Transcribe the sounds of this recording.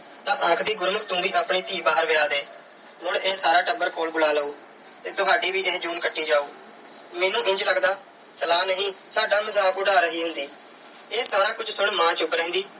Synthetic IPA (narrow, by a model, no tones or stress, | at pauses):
t̪ãːʔə̃ːkʰd̪iːɡʊɾməkt̪ũːbiːʔaːpɳiːt̪iːbaːəɾʋɪjaːd̪eː | mʊɽeːsaːɾaːɖəbəɾkoːlbʊlaːləuː | t̪eːt̪ʊɦaːɖiːbiːʔeːd͡ʒuːnkəɖːiːd͡ʒaːuː | meːnũːʔɪ̃ɲd͡ʒləɡd̪aː | səlaːnəɦĩːsaːɖaːməzaːkʊɽaːɾəɦiːɦʊ̃nd̪iː | eːsaːɾaːkʊd͡ʒsʊɳmãːt͡ʃʊbɾɛ̃ːnd̪iː